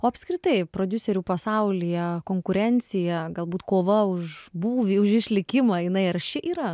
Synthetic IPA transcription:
oːɐpʲskɾʲɪt̪ɐɪpɾoːd̪ʲʊsʲɛɾʲuːpɐsɐʊlʲɪjɛkoːŋkʊɾʲɛnʲt̪t͡s̪ʲɪjɛɡɐlˠbuːt̪koːʋɐʊʃbuːʋʲiʊʃɪʃʲlʲɪkʲɪmɐːjɪnɐɪɐrʃʲɪʔiːɾɐ

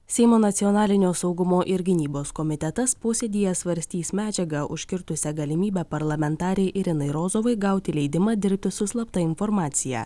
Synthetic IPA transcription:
sʲɛɪmoːnɐt̪sʲiɔnɑːlʲɪnʲoːsɒʊɡʊmoːʔɪɾɡʲɪnʲiːboːskɔmʲɪt̪ʲɛt̪ɐspoːsʲed̪ʲiːjɛsʋɐɾʲsʲt̪ʲiːsmʲæːd͡ʒʲɛɡɐʔʊ̰ʃʲkʲɪɾt̪ʊsʲɛɡɐlʲɪmʲiːbʲɛpɐɾlˠɐmʲɛnt̪ɑːɾʲɛɪʔɪɾʲɪnɐɪɾoːzoːʋɐɪɡɑˑʊt̪ʲɪlʲɛɪd̪ʲɪmɑːd̪ʲɪɾʲp̚ʲt̪ʲɪsʊslˠɐpt̪ɐɪnfɔɾmɑːt̪sʲɪjæ̰ː

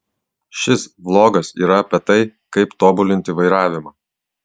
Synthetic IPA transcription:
ʃʲɪsblˠoːɡɐsḭːɾɐɐpʲɛt̪ɐɪkɐɪpt̪oːbʊlʲɪnʲt̪ʲɪʋɐɪɾɑːʋʲɪmɑː

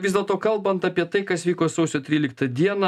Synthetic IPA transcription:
ʋʲɪzd̪ʲɛlˠt̪oːkɐlˠbɐnt̪ɑːpʲiɛt̪ɐɪkɐsʋʲiːkoːsɐʊsʲoːt̪ʲɾʲiːlʲɪk̚t̪ɐd̪ʲiɛnɑ

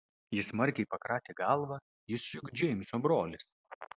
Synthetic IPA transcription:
jɪsmɐɾʲkʲɛɪpɐkɾɑːt̪ʲeːɡɑˑlˠʋɐ | jɪsjʊɡʲd͡ʒʲɛmʲsʲoːbɾoːlʲɪs

